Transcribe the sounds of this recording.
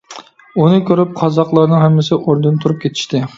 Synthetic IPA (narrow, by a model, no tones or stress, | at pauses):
unɨkʲʰøɾyp̚qʰɑzɑqlˠɑɾnɨŋɦhɛmːɪsɪʔoɾd̪ɨnt̪ʰuɾup̚kʲʰet̪ʰɪ̥ʃt̪ɪ